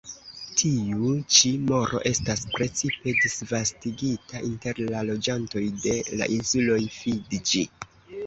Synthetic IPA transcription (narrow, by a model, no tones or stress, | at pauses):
tʰiut͡ʃimo̞ɾʔo̞̰ʔe̞staspɾe̞t͡sipe̞disvastiɡitaʔinte̞ɾlalo̞d͡ʒanto̞jde̞la̰ʔinsulo̞jfidd͡ʒi